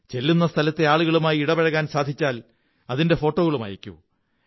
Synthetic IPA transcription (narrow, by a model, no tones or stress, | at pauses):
t͡ɕe̞lːunːɐst̪ʰɐlɐt̪ːe̞aːɭuɣɐɭumaːjiiɽɐbɐɻɐɣaːnsaːd̪ʱit͡ɕːaːl | ɐðinde̞fo̞ːʈːoːɣɐɭuma̰jikʲːṵ